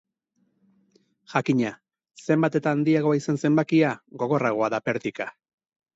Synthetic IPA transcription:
ʝakiɲa | se̞mbat̪e̞t̪aːnd̪iaɣ̞o̞aisanse̞mbakiaɡo̞ɣo̞raɣ̞o̞aðape̞ɾt̪ika

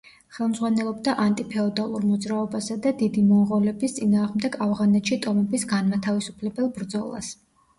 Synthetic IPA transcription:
χɛlˠmzʁwanɛlˠɔbd̪aʔant̪ʼipʰɛɔd̪alˠuɾmɔd̪zɾaɔbasad̪ad̪id̪imɔʁɔlɛbist̪sʼinaːʁmd̪ɛɡavʁanɛt̪ʃit̪ʼɔmɛbisɡanmat̪ʰavisu̥pʰlɛbɛlˠbɾd̪zɔlˠa̰s

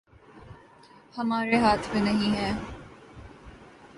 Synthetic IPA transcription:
hɐmaːɾeɦaːt̪ʰmẽnɐɦĩɦɛː

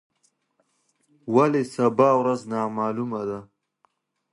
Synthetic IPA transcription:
walesabɑːwɾaznɑmɑːlumad̪a

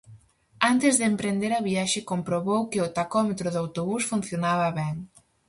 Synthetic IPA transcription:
ant̪ɪzðempɾend̪eɾɐβiaʃɪkompɾoβowkɪʊt̪akɔmet̪ɾʊðawt̪oβusfun̟θjonaβɐβɛŋ

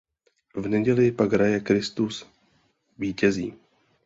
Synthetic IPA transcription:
vnɛɟɛlɪpaɡɦɾajɛkɾɪst̪us | viːcɛzḭː

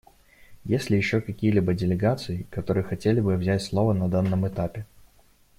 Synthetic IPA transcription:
jesʲlʲɪjɪɕːokɐkʲijəlʲibədʲɪlʲɪɡat̪sɨɪkɐt̪o̞ɾɨjəxɐtʲelʲɪbɨvzʲætʲslˠo̞vənɐd̪anːəmɨt̪apʲɪ

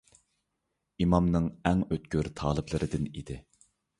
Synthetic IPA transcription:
imɑmnɨŋɛŋøt̪̚kʲøɾt̪ʰɑːlˠɨplˠɨɾɨd̪ɪnid̪ɪ

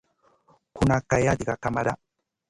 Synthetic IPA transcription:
kunakajadiɡakamaɾa

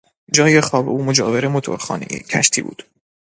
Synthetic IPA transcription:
d͡ʒɒːjexɒːbeuːmod͡ʒɒ̰ːveɾemot̪ʰo̰ɾxɒ̰ːnejḛcʰæ̰ʃt̪ʰiːbṵːd̪̥

